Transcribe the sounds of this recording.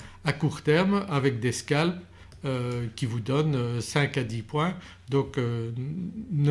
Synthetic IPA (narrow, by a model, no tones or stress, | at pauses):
akuʁt̪ɛʁmavɛk̚d̪eskʲalp | økʲivud̪ɔnøsɛ̃kad̪ipwɛ̃ | d̪ɔ̃kø | n